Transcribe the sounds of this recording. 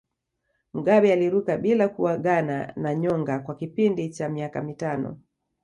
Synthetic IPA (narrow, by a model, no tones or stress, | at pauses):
m̩ɡaɓɛaliɾukaɓilakuwaɡana̰naɲɔŋɡakwakipindit͡ʃamiakamitanɔ̰